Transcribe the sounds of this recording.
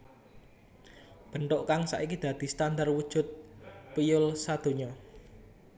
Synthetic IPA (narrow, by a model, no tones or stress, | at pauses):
b̥ə̤ɳʈ̪ʊʔkaŋsa̰ʔikid̪̥ä̤d̪̥i̤st̪and̪arwud̥ʒ̥ʊ̤t̪̚pijʊlsad̪̥o̤ɲɔ